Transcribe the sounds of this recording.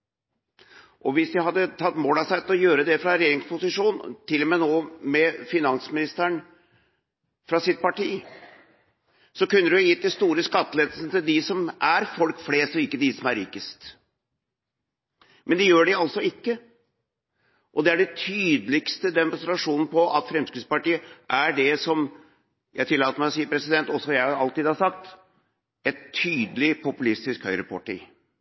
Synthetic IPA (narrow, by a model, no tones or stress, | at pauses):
ʔɔʋɪsd̪ɪhɑd̪ːət̪ʰɑt̪ːmoːlɑsæɪt̪ʰɪlɔjøːɾəd̪ɛfɾɑɾɛjeːɾɪŋspʊsɪʂuːnt̪ʰɪlmeːnoːmɛfɪnɑnsmɪnɪst̪æɳ | fɾɑsɪt̪̚pɑʈiː | sɔkʉnːəɾɪjɪt̪ːɪst̪uːɾəskɑt̪ːəleːd̪əlsənət̪ɪld̪ɪsɔmʔæɾfɔlkfleːst̪ɔɪkːəd̪ɪsɔmæɾḭːkəst̪ | mɛnd̪ɪjøːɖɪɑlt̪sɔɪkːə | ʔɔd̪ɛæɖɛt̪ʰyːd̪əlɪkst̪əd̪ɛmʊnst̪ɾɑʂuːnn̩pɔʔɑt̪fɾɛmskɾʉːd̪spɑʈiːəʔæɖɛsɔm | jæ̰ɪt̪ʰɪlːɑːt̪əɾmæɪɔsiːəpʰɾɛsɪd̪ɛnt̪ɔsɔjæɪɑlt̪iːd̪hɑsɑk̚t̪ | ɛt̪ʰːyːd̪əlɪpʊpʉlɪst̪ɪskhœʏɾəpʰɑʈḭː